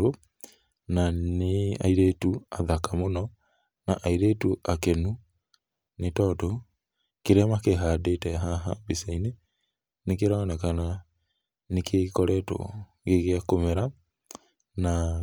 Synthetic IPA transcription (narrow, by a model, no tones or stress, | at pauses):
o | nanea̰iɾetuaðakamonɔ | naʔaiɾetuʔakɛnu | netɔto | keɾɛmakeɦadetɛɦaɦabisaine | nekeɾaːnɛkana | nekʰekɔɾɛto̰ | ɣeɣeakomɛɾa | na